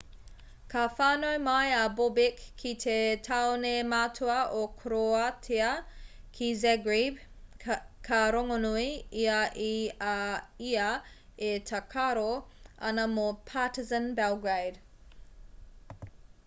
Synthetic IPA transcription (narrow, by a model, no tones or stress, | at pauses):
kʰafaːnojmɐjabobɪkʰːitʰetʰaonemaːtʰuɐʔokʰɾoɐtʰeɐ | kʰizɛɡɹib | kʰaɾoŋonuiiɐʔiaiɐetʰɐkʰaɾoɐ̰nɐmopʰatizənbɛwɡɹejd